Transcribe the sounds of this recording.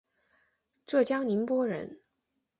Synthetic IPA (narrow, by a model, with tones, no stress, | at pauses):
ʈ͡ʂɤ˥˩t͡ɕjɑ˥ŋni˧˥npwɔ˥ɻə̰˧˥n